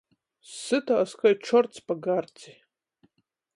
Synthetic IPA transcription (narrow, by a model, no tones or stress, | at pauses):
sɨtʰaːskʰʷaʈ͡ʂʷʰɔrt͡sʰbaɡart͡sʰʼi